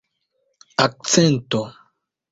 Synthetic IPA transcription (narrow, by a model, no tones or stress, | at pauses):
ak̚t͡sɛnt̪o